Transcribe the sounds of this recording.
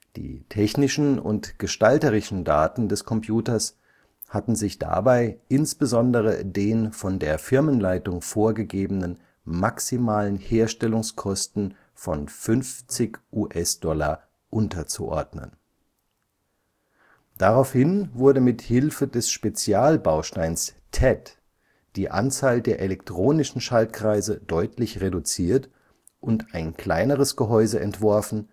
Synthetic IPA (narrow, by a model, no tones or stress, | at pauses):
d̥ḭːtʰɛçnɪʃn̩ʊ̰ntɡ̥əʃtaltəʁɪʃn̩da̰ːtn̩dɛskʰɔmpj̥uːtɐs | hatn̩zɪçd̥a̰baɪʔɪnsb̥əzɔndəʁ̞ə̰deːnfɔndeːɐfɪɐmənlaɪtʊŋfoːɐɡəɡeːbənən | maksimaːlənheːɐʃtɛlʊŋskʰɔstn̩ | fɔnfʏnft͡sɪkʔuːʔɛsd̥ɔla | ʔʊntɐt͡sṵʔɔ̰ɐdnə̰n | d̥aʁaʊfhɪnvʊɐdəmɪthɪlfədɛsʃpet͡sjaːlbaʊʃtaɪnstʰɛt | d̥iːʔa̰nt͡saːldeːɐʔelɛktʁ̥oːnɪʃn̩ʃaltkʁ̥aɪzədɔʏtʰlɪçʁedut͡siːɐt | ʔʊntaɪnkl̥aɪnəʁ̞əsɡ̥əɦɔʏzəʔɛntv̥ɔɐfn̩